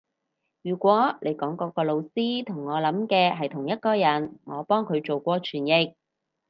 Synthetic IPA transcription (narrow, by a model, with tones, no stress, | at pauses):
jyː˨˩kʷɔː˨˥le˨˧jkɔː˨˥ŋkɔː˨˧kɔː˧lo˨˧wsiː˥t̪ʰʊ˨˩ŋːɔː˨˧lɐ˨˥mkɛː˧ɦɐ˨jt̪ʰʊ˨˩ŋjɐ˥t̚kɔː˧jɐ˨˥nŋɔː˨˧pɔː˥ŋkʰɵ˨˧ɥt͡so˨wkʷɔː˧t͡ʃʰyː˨˩njɪ˨k̚